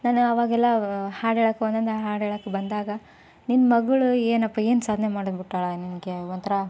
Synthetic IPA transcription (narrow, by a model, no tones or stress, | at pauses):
naːnuɐʋaːɡɛlːɐhaːɽeːɭɐkːeɔnd̪ɐnd̪ɐɦaːɽeːɭɐkːebɐnd̪aːɡɐ | ninːmɐɡɐɭueːnɐpːɐeːnsaːd̪ʱnemaːɽbiʈːaːɭɐninɡeɔnt̪ɐɾɐ